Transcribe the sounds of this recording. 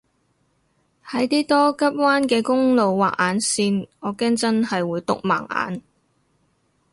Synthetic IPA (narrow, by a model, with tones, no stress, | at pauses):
hɐ˨˥jt̪iː˥t̪ɔː˥kɐ˥p̚waː˥nkɛː˧kʊ˥ŋlo˨˧wwa̰ː˨k̚ʔaː˨˥nsiː˧nŋɔː˨˧kɛː˥ŋt͡sɐ˥nhɐ˨jwuː˨˧jt̪ʊ̰˨k̚ma̰ː˨˩ŋa̰ː˨˥n